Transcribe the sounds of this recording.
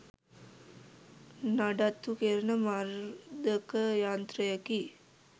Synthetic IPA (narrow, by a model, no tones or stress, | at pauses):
naɖat̪ːukeɾənəmaɾd̪əkəjaːnt̪ɾəjəki